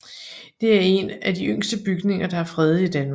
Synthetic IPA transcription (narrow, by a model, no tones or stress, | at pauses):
d̥e̝æɐe̝næd̥iøŋ̰sd̥əb̥yɡ̥ne̝ŋɐd̥ɑ̈æɐfʁɛð̞̩ˠəid̥ænm